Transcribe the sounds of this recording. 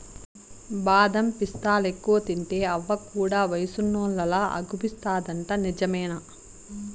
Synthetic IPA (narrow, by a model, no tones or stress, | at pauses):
baːd̪ɐmpist̪aːlekːuʋɐt̪iɳʈeːɐʋːɐkːuːɽaːʋɐjsunːuːlɐlaːʔɐ̰ɡupist̪aːd̪ɐɳʈɐnid͡ʒɐmɐːna